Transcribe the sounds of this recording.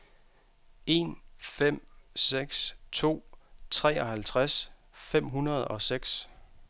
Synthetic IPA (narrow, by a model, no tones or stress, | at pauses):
e̝nfem̰seɡ̥st͡sʰo̝̰ːt͡sʰʁɛ̰ːɒ̽ɦælt͡sʰʁas | fem̰ɦunɐð̞̩ˠɒ̽seɡ̥s